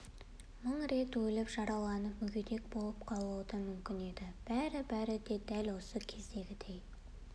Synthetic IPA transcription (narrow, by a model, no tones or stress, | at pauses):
məɴɾe̞t̪wɵlɪpʒ̥ɑɾɑwlˠɑnəpmʏɡʲed̪e̞k̚bo̞lˠəp̚qʰɑlˠuwd̪əmʏmkʲɪne̞d̪ɪb̥æɾɪbæɾɪd̪e̞d̪ælwo̞səkʲʰe̞zd̪e̞ɡʲɪd̪e̞j